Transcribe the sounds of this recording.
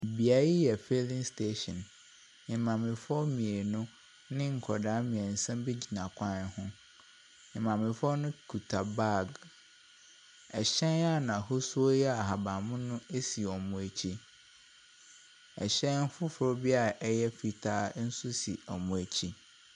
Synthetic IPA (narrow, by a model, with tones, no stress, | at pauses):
bi˨a˨˦ji˦jɛ˨fe˦lɪ̃˦ŋstʰe˦ɕɔ̃˨n | ɪ̃˨mã˨mɪ̃˨fɔ˦mĩ˨e˨nʊ̃˦ | nɪ̃˦ŋ̩˨kʰɔ˨daː˨˦mĩ˨ɛ˨n̩˨sã˦mbe˦d͡ʑi˨nã˨kʷʰã˦n˨hʊ̃˦ | ɪ̃˨mã˨mɪ̃˨fɔ˦nʊ̃˦kʰu˨tʰa˨ba˦˨ɡ | ɛ˨ɕɛ̃˦na˦nã˨hʊ˦su˦o˦jɛ˦a˨ɦa˨bã˨mʊ̃˦nʊ̃˦e˦si˨ɔ˨mʊ̃˨æ˨t͡ɕʰi˦ | ɛ˨ɕɛ̃˦n˦fʊ˦fʊ˨ɾʊ˦bi˦a˨ʔjɛ˦fi˨tʰaː˦n̩˦sʊ˦si˨ɔ˨mʊ̃˨æ˨t͡ɕʰi˦